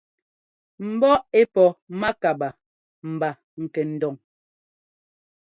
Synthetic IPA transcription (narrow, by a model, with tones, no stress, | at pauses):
m̩˨bɔ˦e˦pɔ˨ma˦ka˨ba˨ | m̩˨ba˨ | ŋ̩˨kɛ˨n̩˨dɔ˨ŋ